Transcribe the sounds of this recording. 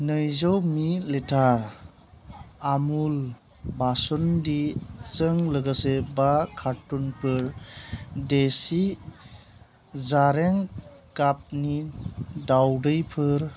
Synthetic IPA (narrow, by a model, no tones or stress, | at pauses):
nɯjzɔwmiletʰaɾ | amul | basɔndit͡sɯŋləɡasebakʰatːunpʰɯɾ | desi | zaɾeŋ | ɡap̚nidawdɯjpʰɯɾ